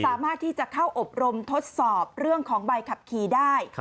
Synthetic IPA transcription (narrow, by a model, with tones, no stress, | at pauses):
saː˨˩˦maː˥˩t̪ʰːiː˥˩t͡ɕa˨˩kʰa˥˩wʔo˨˩p̚ɾo˧mt̪ʰo˦˥t̪̚sɔː˨˩p̚ɾɯ˥˩əŋkʰɔː˩˦ŋba˧jkʰa˨˩p̚kʰiː˧daː˥˩j